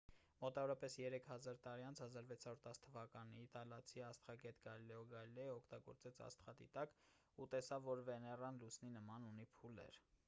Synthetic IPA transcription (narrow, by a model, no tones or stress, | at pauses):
mɔt̪ɑvɔɾɑpɛsjɛɾɛkʰhɑzɑɾt̪ɑɾiɑnt͡sʰhɑzɑɾvɛt͡sʰɑɾuɾt̪ɑst̪ʰəvɑkɑnit̪ɑlɑt͡sʰiɑst̪χɑɡɛt̪ɡɑlilɛɔɡɑlilɛjɔkʰt̪ɑɡɔ̰ɾt͡sɛt͡sʰɑ̰st̪χɑt̪ḭt̪ɑk | ut̪ɛsɑvːɔɾvɛnɛrɑnlusninəmɑnunipʰulɛ̰ɾ